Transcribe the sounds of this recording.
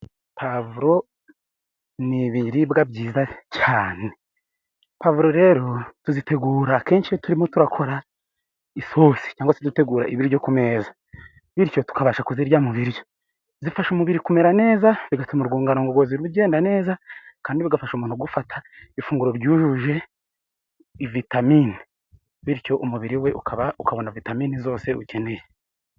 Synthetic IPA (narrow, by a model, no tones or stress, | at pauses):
pavuɾo̞ | niβiɾibɡabɟiːzacaːne | pavuɾo̞ɾe̞ɾo̞tuzite̞ɡuːɾaːke̞ːnʃijotuɾimo̞tuɾakʰo̞ɾa | iso̞si̥caːŋɡwasetute̞ɡuːɾa̰ʔiβiɾiɟo̞kume̞ːza | βiɾco̞tu̥kaβaʃakuziɾɟamuβiɾjo | zifaʃumuβiɾikume̞ɾane̞ːzaβiɡatumuɾɡuːŋɡanoŋɡoɡoziɾuɟe̞ːndane̞ːzakaːndiβiɡafaʃumuːnhuɡufatʰḁifuːŋɡuɾo̞ɾɟuːʒuʒe̞ | ivitamini | βiɾco̞ʔumuβiɾiwe̞ukaβaukaβo̞navitamiːnizo̞ːse̞uce̞ne̞je